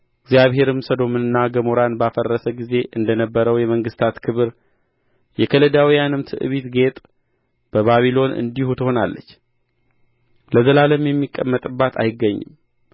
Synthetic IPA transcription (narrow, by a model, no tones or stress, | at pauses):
ɪɡzjaβɦe̞ɾɨmsəd̪o̞mɨnɨnːaɡəmoɾanbafərːəsəɡize̞ʔɨnd̪ənəbːəɾəwjɛməŋɡɨst̪ʰat̪kʰɨβɨɾ | jɛkʰələd̪awijanɨmt̪ʰɨ̰ʔɨ̰βit̪ɡe̞t̪ʼ | b̥əβaβilo̞nɨ̰nd̪ihut̪ʰɨho̞nalːə̰t͡ʃː | ləzəlaləmjɛmːikʼːəmːət̪ʼɨbːat̪ʰa̰jɪɡːəɲːɨ̰m